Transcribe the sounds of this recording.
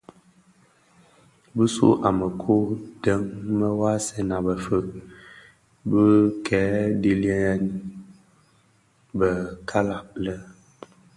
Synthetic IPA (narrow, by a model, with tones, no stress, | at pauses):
bə˦sṵ˦ʔa˨mə˨kʰu˦də˦ŋmə˦wa˦sɛ˦na˨bə˨fə˦˨ʔ | bə˦kʰɛː˨˦di˦ljə˦ɛ˦n | bə˨kʰa˦la˦˨p̚lə˦